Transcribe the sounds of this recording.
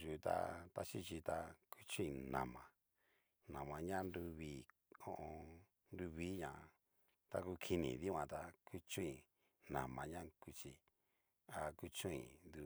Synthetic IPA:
ʒu˨˧t̪a̰˧t̪a˦t͡ʃi˦t͡ʃi˧t̪a˧kʰu˦t͡ʃũ˦ĩ˧˨nã̰˨mã˨ | nã˨mã˧ɲã˦˧nd̪u˧βiː˦ | õ˧ʔõ˧ | ndu˧βiː˦ɲã˨˧ | t̪a˧ku˧kʰi˧nĩ˨ði˦˧ã˧t̪a˧kʰu˦t͡ʃũ˦ĩ˨ | nã˨mã˧ɲã˦ku˧t͡ʃi˧ | a˧ku˦t͡ʃũ˦ĩ˧˨nd̪u˧

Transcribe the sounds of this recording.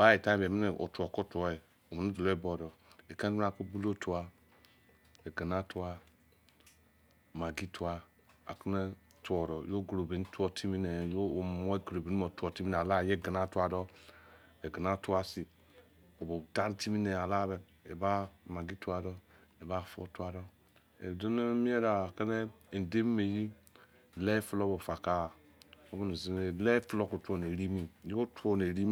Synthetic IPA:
ba˦e˨ta˦be˨mi˦ne˨ʔo̰˨to˨ko˦tu˨o˦e˨ | o˨mi˨nu˦do˨lo˦e˦bo˨dɔ˨ | e˨ke˦a˨ko˦bu˦lo˦tu˨a˨ | e˨ɡə˨na˦tu˦a˦˨ | ma˨ɡi˦tʰu˦a˨ | a̰˨ki˦ne˦ | tu˦ɔ˨ɾɔ˨jo˦ɡu˨ɾo˨be˨n˦tu˦o˨tʰi˦mi˦ne˨jo˦˨mo˦e˦ɡɾo˨be˨nu˦mo˨tu˨o˨ti˦mi˦n˨a˨la˦˨je˦˨ɡa˨na˦tu˦a˨dɔ˦ | e˨ɡi˨na˦tu˦a˦si˨ | o˨bo˨da˦n˦ti˦mi˦ne˨a˨la˦be˨n | e˨ba˦˨ma˨ɡi˦tu˦a˨dɔ˦ | e˨ba˦fo̰˦tu˦a˨do˦ | ḛ˨do˦n˦mi˦e˦ɾa˨ke˦ne˦˨ | n˨de˦m˦me˨ji˦˨ | le˦fu˦lo˦bo˨fa˨ka˦˨ | o˦bo˦ni˨zi˦e˨le˦flo˦ku˨tʷo˨ne˨ɾi˦mi˦˨jo˦to˦ne˨ɾi˦

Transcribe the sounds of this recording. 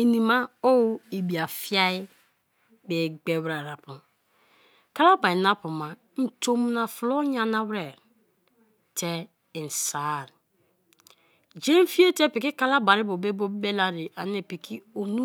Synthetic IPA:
i˨ni˨ma˦o˦i˨bi˨a˨fi˦a˦i˦ | be˨ɡ͡be˦wɾa˨ɾa˨pu˨ | ka˦la˦ba˨i˨na˦pu˨ma˨ | n̩˨to˦m˦na˨flo˦ɲa˨na˦wɾɛ˨ɾ | tʰe˦˨ | n̩˨sa˨ɾ | d͡ʒe˦n˦fi˦e˦te˦pi˨ki˦ka˦la˦ba˨ɾi˦bo˨be˦bo˦be˦la˦ɾi˨ʔa˨ne˨pi˨kʰi˦o˨nu˦

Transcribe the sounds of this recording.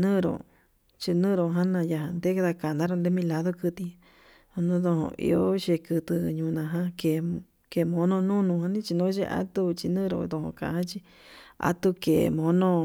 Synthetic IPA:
nɨ̃˦˧ɾõ̰˨ | t͡ʃi˧nɨ̃ː˦˧ɾo˨ɦã˦nã˧ja˧hã˧nd̪e˦ka˧ða˧ka˨nd̪ã˦ɾo˧nd̪e˦mĩ˦la˧˦ðo˦kɨ˧t̪i˧ | õ˧nũ˦ðõ˧hõ̰˧ʔḭ˧o˦ʃe˧kɨ˧t̪ɨ˧ɲũ˧nã˧ɦã˦ke˨ | ke˨mõ˧˦nõ˧nũ˦˧nũ˧hã˧nĩ˦t͡ʃi˧nõ˦t͡ʃi˧ʔa̰˦t̪u˦t͡ʃi˧nɨ̃ː˦ɾo̰˧˨d̪õ˧˨hõ̰˧kã̰˨˧hã˦t͡ʃi˧ | a̰˧t̪u˧ke˨mõ˧˦nõ˦

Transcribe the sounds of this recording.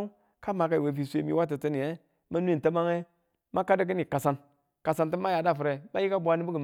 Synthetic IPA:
ka˦ma˨ka˨i˨we˨fi˨sʷe˦mḭ˨˦wa˦t̬ɨ˨tɨ˦ni˨e˦ | ma˦nu˦i˦˨ta˦ma˦ŋe˦ | ma˦ka˦də˦k̬ɨ˦ni˨ka˨sa˨n | ka˨sa˨nti˦ma˦ja˨da˦˨fɨ˨ɾe˨ma˦ji˦ka˦bʷa˦ni˦bu˦ɡə˨

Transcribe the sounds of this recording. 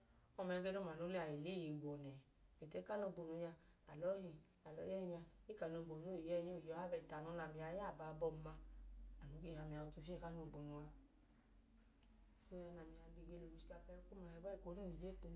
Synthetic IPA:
ɔ˧mɛ˨˧ɡe˧no˧˨ma˨no˨˧˦le˧˦a˨e˨le˦ji˨ɡ͡bɔ˨nɛ˨ | me˨tɛ˨˦ka˦no˧bo˧nu˧ɲa˧ | a˨lɔ˨˦hi˨ | a˨lɔ̰˨˦jɛ˦˧ɲa˧i˦ka˨no˧bo˨no˦˨i˨jɛ˦˨ɲo˦˨jɔ˧˦ha˦bɛ˧i˨ta˨nɔ˧˦na˨mi˨a˧˦ja˦˨ba˧˨bɔ˧˨ma˧a˨nu˨˦ɡe˧˨ha˧mi˧˨a˧u˧tu˧˨fɛ˦˨ka˦no˧˨bo˨nu˧a˧ | so˦a˧na˨mi˨a˧ɡ͡bi˧˨ɡe˧lo˨si̥˦a˧pɛ˧ko˦ma˨hɛ˧ba˦i˧˨ko˧˦ɾu˦ni˨d͡ʒe˦˨tu˧

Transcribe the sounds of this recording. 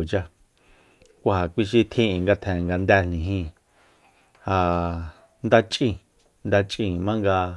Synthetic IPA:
t͡ʃa˧ | kʷa˧ha˨kʷi˦ʃ̬i˧t̪ʰĩ˦ĩ˨ŋɡa˧t̪ʰɛ̃˨ŋɡa˧nd̪æ˧n̥nĩ˨ɦĩ˧ | ha˧ | nd̪a˧t͡ʃʼʔĩ˧˨ | nd̪a˧t͡ʃʼĩ˧mã˦ŋɡa˧

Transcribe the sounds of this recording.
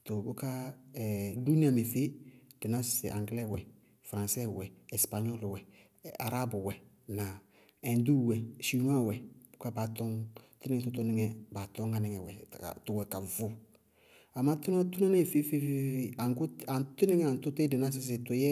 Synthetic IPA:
t̪ʊ˨bʊ˦ka˦ɛ˨du˦ni˦ã˨me˨fe˦d̥ɪ˨na˦sɪ̥˦sɪ̰˨ʔã̰˨ŋɡlɛ˦˨wɛ˨ | fɾã˨sɛ˦˨wɛ˨ɛ˨spa˨ɲɔ˦lwɛ˨ | a̰˨ɾa˦bʊ˨wɛ˨ | na˨ | ɛ̃˨ndu˦˨wɛ˨ʃi˨nwã˦˨wɛ˨b̥ʊ˦ka˦ba˨t̪ɔ˦ŋtɪ˦nɪ̃˦ŋɛ˨tʊ˦t̪ɔ˦nɪ˦ŋɛ˨ba˨tɔ˦ŋa˨nɛ˨ŋɛ˨wɛ̰˨a̰˨tʊ˨wɛ˨ka˨vʊ˦ | a˨ma˦t̪ʊ˦na˦tʊ˦na˦nɪ˦˨fe˦fe˦fe˦fe˦a˨ŋkʊ˦a˨ntʊ˦nɪ˦ŋɛ˦˨ã˨˦tʊ˦te˦dɪ˨na˦s̬ɪ˨˦s̬ɪ˨tʊ˨jɛ˦

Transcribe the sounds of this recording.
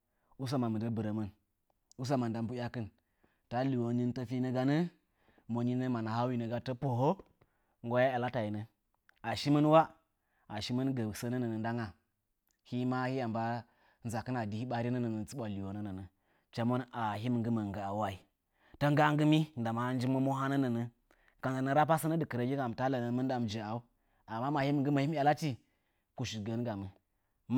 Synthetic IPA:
u˦s̬a˦ma˨mə˨də˦bɨ˨ɾə˨mə˦n | u˦s̬a˦ma˨nda˨mbu˦ja˦kɨ˦n | ta˦li˨wo˨˦ni˦n˦tə˦fi˦nə˦ɡa˦nə˦ | mo˨ɲi˦nə˦ma˨na˨ha˦wi˦nə˨ɡa˨˦tə˦po˨ɦo˦ | ŋ˦ɡo˦ja˦a˨la˦ta˨ji˨nə˨ | a˨ʃi˦mə˦nwa˦ | a˨ʃi˦mə˦nɡə˨sə˦nə˦nə˨nə˨n˦da˦ŋa˨ | hi˦ma˦hi˦ja˨mba˦ | nza˨kə˦na˨di˨hi˦ɓa˦ɾi˦nə˦nə˨nə˨t͡su˦ɓʷa˨li˨wo˨nə˦nə˨nə˨ | t͡ʃa˨mə˦na˨ɦi˦mə˨ŋɡɨ˦ma˨ŋɡa˨a˨wa˦i˨ | ta˦ŋɡa˦a˦ŋɡɨ˦mi˦n˨da˨ma˨˦n˦d͡ʒi˦mə˦mo˦ɦa˦nə˦nə˨nə˨ | ka˨na˨nə˨ɾa˦p̬a˦sə˦nə˦dɨ˨kə˨ɾa˨ɡʲi˦ka˨m˨ta˦la˨nə˨˦mə˦n˦da˨m˨d͡ʒi˨a˨u˦ | a˨mːa˦ma˨hi˦mə˨ŋɡɨ˦ma˨hi˦m˦ja˨la˦t͡ʃi˦ | ku˨ʃi˨ɡə˨n˦ɡa˨mə˨ | m

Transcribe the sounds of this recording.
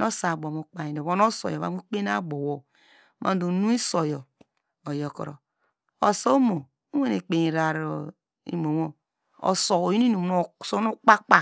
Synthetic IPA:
no˦sa˨ɡ͡bo˨mo˨k͡pa˨i˨o˨wo˦no˦so̰˨jo˨βa̰˨˦u˦k͡pe˦na˦ɡ͡bo˨wo˦ | mʔa̰˦do˨nu˦i˦so˨jo˨ | o˨jo˨ko̰˨ɾo̰˨ | o˨so˦mo˨ | u˦we˦ne˨k͡pe˨i˨ɾa˨ɾo˨ | ḭ˨mo˨wo˦ | o̰˨so˨o˨ji˦ni˦nu˨˦no˦˨so˦o˦k͡pa˦k͡pa˦

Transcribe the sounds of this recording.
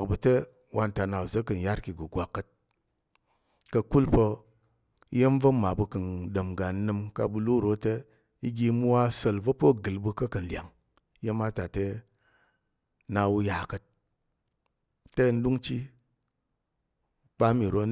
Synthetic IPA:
kbu˧te˦ | wʔa˧nta˧na˨u˨zə˦kːɨ˨n˨ja˦ɾki˨ɡu˨ɡʷa˨kːə˧t̚ | kɐ˧ku˦lpə˧˦ | je˦m˦və˦ma˨bu˧kɨ˨nɗə˨mɡa˨n˦nɨ˧mka˧bu˧lu˦˨ɾo˦te˦ | i˦ɡʲi˧mu˦wa˦sə˧lvo˦po˦ɡɨ˨lbɨ˧kɐ˦kɐ˨n˨lʲa̰˨ŋ˦ | je˦ma˦ta˨te˧ | na˧wu˧ja˨kə˧t̚ | te˦˧n̩˦du˦ŋt͡ʃi˦ | k͡pa˦mi˨ɾo˦

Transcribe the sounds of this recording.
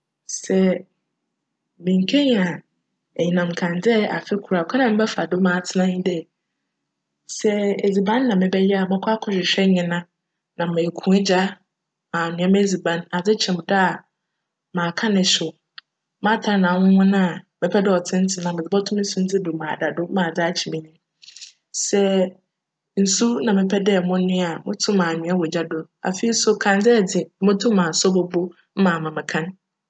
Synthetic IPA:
sɛ˨ | mĩ˨ŋ̩˨kʰe˦ɲ˨a˨ | ɛ˨ɲĩ˨nã˨m̩˨kʰã˨n˨d͡zɛ˦a̰˨fɪ˦kʰu˨ɾa˨kʰa˦nã˨m̩ɪ̃˦bɛ˦fa˨dʊ˦mãː˨tʰɪ˦nã˦ɪ̃˦dɛ˦ | sɛ˨e˨d͡zi˨bã˦nː˦ã˨mɪ̃˦bɛ˦jɛ˦a˨mɪ̃˦kʰʷa˦kʰʊ̃˦ɕᶣɪ˨ɕᶣɛ˦ɲɪ̃˨nã˦ | nã˨mẽ˨kʰũ˨˦ɪ˦d͡ʑa˦ | ã˨nʊ̃˨˦ã˦m˦e˦d͡zi˨bã˨˦na˨d͡zɪ˦t͡ɕʰɛ̃˨m˨da˦˨ | mãː˨kʰã˦nɪ̃˨ɕʊ˨ | mã˦tʰa˨˦nã˨hʊ̃˦hʊ̃˦nã˦˨mɪ̃˨pʰɛ˦dɛ˦˨ɔ˨tʰɪ̃˦n̩˦tʰɪ˦nã˨mɪ˨d͡zɪ˨bɔ˦tʰʊ̃˦n̩˦su˦n̩˦tʰɪ˦du˨mãː˨da˨dʊ˦mãː˨d͡za˦a˦t͡ɕʰi˨mĩ˦nɪ̃˦ | sɛ˦ | n̩˨su˦nã˨mɪ̃˨pʰɛ˦dɛ˦˨mʊ̃˦nɪ̃˦a˨mʊ̰̃˦tʰʊ̃˦mãː˨nʊ̃˨˦a˦wɔ˨d͡ʑa˦dʊ˦a̰˨fi˨i˦sʊ˦kʰã˨n˦d͡zɛ˦˨d͡zɪ˨˦mʊ̃˦tʰʊ̃˦mːãː˨sɔ˦bɔ˦bo˦ | m̩˦mã˨mã˨mɪ̃˨kʰã˦n

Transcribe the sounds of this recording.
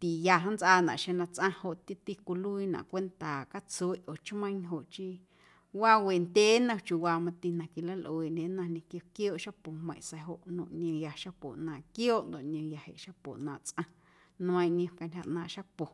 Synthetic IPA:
t̪i˨ja˧ɦã˦nt͡sʔaː˧nã̰˨ʔʃe˧nã˧t͡sʔã˦ho˧ʔt̪i˦t̪i˧kʷu˧lu˦i˧nã̰˨ʔkʷe˦nt̪a˨ka˦t͡su˧e˦ʔo˨t͡ʃmə̃˦ɲɦo˨ʔt͡ʃi˧ | waː˦we˨nd̪ʲeː˦nã˧t͡ʃju˧waː˧mã˧t̪i˧nã˨ki˧˨la˦lʔo˨e˨nẽ˧˦nã˧nẽ˧kjo˧kjoː˦ʔʃa˦po˨hmə̰̃˧˨sa˧ɦo˨ʔnõ̰˧˨ʔɲ˧õ˧ja˧ʃa˦po̰˨nãː˧˨ʔkjoː˦ʔnd̪o˨ʔɲʲõ˧ja˨hḛ˨ʔʃa˦po̰˨nãː˧˨t͡sʔã˧ | ñ˧ə̃˧j̃ʔɲõ˧ka˧nʲha˧ʔnãː˧˨ʔʃa˦po˨

